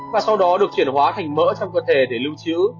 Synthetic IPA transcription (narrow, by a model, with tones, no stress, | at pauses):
vaː˨˩sa˧wɗɔ˨˦ɗɨ˨˩ək̚t͡ɕwi˧˩ənhɦwaː˨˦t̪ʰa˨˩jŋmə̰ː˧˥t͡ɕɔ˧wŋ͡mkəː˧t̪ʰe˧˩ɗe˧˩lɨ˧wt͡ɕḭ˧˥